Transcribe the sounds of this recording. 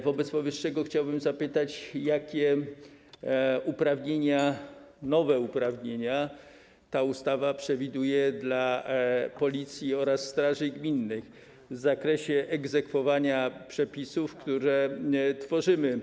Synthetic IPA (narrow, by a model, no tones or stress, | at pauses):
vɔbɛt̪spɔvɘʂːɛɡɔxt͡ɕawbɘmzapɘt̪at͡ɕjakʲɛ | upɾavɲeɲanɔvɛupɾavɲeɲa | t̪aust̪avapʂɛvʲid̪ujɛd̪la | pɔlʲit̪sʲjiɔɾasːt̪ɾaʐɘɡmʲinːɘx | vzakɾɛɕɛʔɛɡzɛkfɔvaɲapʂɛpʲisufkt̪uɾɛt̪fɔʐɘmɘ